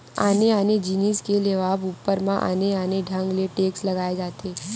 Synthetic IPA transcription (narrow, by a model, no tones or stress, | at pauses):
a̰neaned͡ʑiniskeleʋabupːəɾmãʔa̰neaneɖʱəŋɡleʈeksləɡaed͡zat̪ʰe